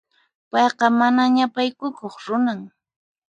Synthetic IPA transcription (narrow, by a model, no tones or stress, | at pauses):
pɑjqɑmanaɲapajkʊkoχɾʊnaŋ